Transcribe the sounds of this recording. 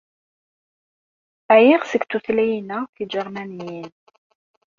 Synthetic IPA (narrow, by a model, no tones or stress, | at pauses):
æjiʁsəɡt̪ːuθlæjinæfid͡ʒəɾˤmænijin